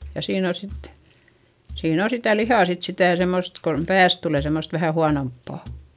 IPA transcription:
jɑ siːn o sit siːn o sitæ lihɑˑ sit sitæˑ semːost kon pæːs tuleˑ semːost ʋæhæ huɑnompːɑˑ

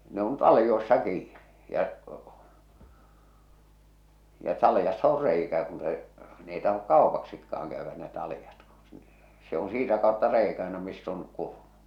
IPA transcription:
ne on tɑlĭjoi̞sːɑ kiːn̥i̥ jɑʔ jɑ tɑlĭjɑsːɑ or reikæ kun se n ei tɑhok kɑˑopɑksikːɑːŋ kæyʋːæ ne tɑlĭjɑt ku se on siːtæ kɑˑotːɑ reikæ ɑ̥e̥nɑ misː on kurmu

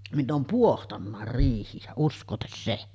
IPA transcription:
minː oːm puohtɑnːɑˑer riːhijæ uskˑoːtes se

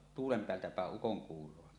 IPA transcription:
tuːlem peæltæ pæˑeʔ ʔukoŋkuːrˑoɑ

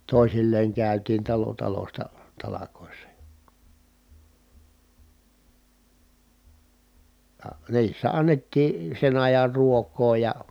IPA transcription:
toˑi̯silːeːŋ kæˑytiːn tɑlo tɑlostɑ tɑlɑkoˑisːɑ jɑ̥ jɑ niːsːæ ɑnːetːiː sen ɑjɑr ruokˑoː jɑ

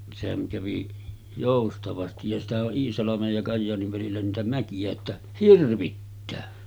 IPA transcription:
sehæŋ kæʋi joˑustɑʋɑstij jɑ sitæhæʔ ʔoʔ ʔiːsɑlɑmej jɑ kɑjːɑːniʋ ʋælilːæ niːtæ mækijæ etːæ hirʋitːæː

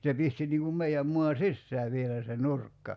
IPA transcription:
se pisti niŋ kum meiæm muɑ sisːæː ʋielæ se nurkːɑ

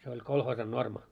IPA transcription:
se olʲ kolhoːsɑn normɑ

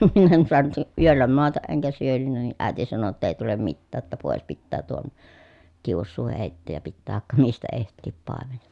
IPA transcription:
min en suɑnut yølːæ moɑtɑʔ ʔeŋkæ syønynːæ ni ʔæˑi̯ti sɑno tːɑ ei tulem mitːæː tːæ poˑes pitːæː tuon kiusːuː heˑitːeːj jɑ pitːæː ʋɑĕkːɑ mistæ ehtˑiː pɑˑemen

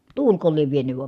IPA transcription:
tuːlko lieʋ ʋienyʋ ʋɑm

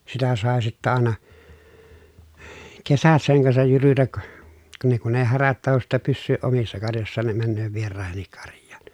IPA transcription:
sitæ sɑˑe sitːæ ɑˑenɑ kesæt seŋ kɑnsɑj jyrytæk kɑ ne kun eː hæræt tɑhos sitːæ pysːyːʔ ʔomisːɑ kɑrjosːɑːn ne mænːøː ʋierɑˑehenːik kɑrjˑɑ̥ːn̥

